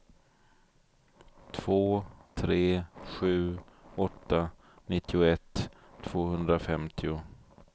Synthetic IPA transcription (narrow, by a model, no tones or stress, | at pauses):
t̪ʰv̥oːt̪ʰɾeːɧʉ̟ːɔt̪ːa | nɪt̪ːɪʊɛt̪ʰː | v̥oːhɵnd̪ɾafɛmt̪ʰɪʊ